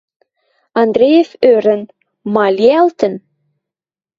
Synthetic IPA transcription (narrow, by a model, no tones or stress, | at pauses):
ɑnd̪ɾejeføɾə̆n | mɑlʲiɑlt̪ən